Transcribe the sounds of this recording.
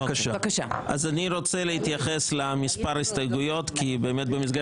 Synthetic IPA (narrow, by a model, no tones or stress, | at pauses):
aaʃaakaʃaʔa̰zaniʁo̞t͡selehit̪jaχeslamispaʁaistajɡujo̞tkibe̞ːmet̪̚bemis̬ɡa